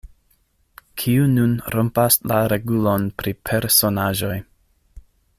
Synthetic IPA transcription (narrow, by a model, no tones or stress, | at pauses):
kʰiununɾompaslaɾeɡulo̞npɾipʰe̞ɾso̞naʒo̞j